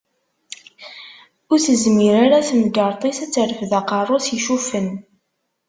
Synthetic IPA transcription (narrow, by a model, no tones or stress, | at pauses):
ʊɾθəzmiɾaɾaθmɡəɾˤt̪ˤisæt͡sːəɾəfðɑqɑrˤːʊsjʃufən